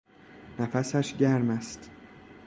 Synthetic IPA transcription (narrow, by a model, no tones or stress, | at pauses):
næfæsæʃɟæɾmæst̪